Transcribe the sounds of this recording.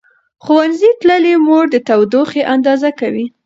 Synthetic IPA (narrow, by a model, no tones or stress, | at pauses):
xowanzit̪ləlemoɽd̪ət̪awd̪oxeʔand̪ɑzakawi